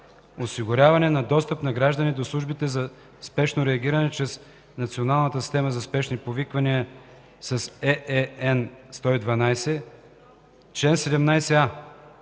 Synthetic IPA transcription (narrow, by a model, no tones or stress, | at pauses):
osiɡʊɾʲavɐnɛnɐd̪ɔst̪əpnɐɡɾaʒd̪ɐnid̪oslˠuʒbit̪ɛzɐ | spɛʃnoɾɛɐɡʲiɾɐnɛt͡ʃɾɛs | nɐt̪sionalˠnət̪əsi̥st̪ɛməzɐspɛʃnipovikvɐniə | sɐsɛɛɛnst̪ɔid̪vɐnajsɛ | t͡ʃɛnsɛd̪ɛmnajsɛa